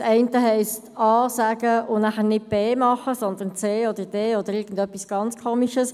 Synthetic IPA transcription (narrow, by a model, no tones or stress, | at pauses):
sɛɪntəɦɛɪstʰɑːsaːɡəʊnæχənɪd̚b̥eːmɑχəsɔnd̪ənt͡seːɔd̪əd̥eːɔd̥̪əɾɪːɡn̩dœpːisɡ̥ɑnt͡skʰoːmiʃəs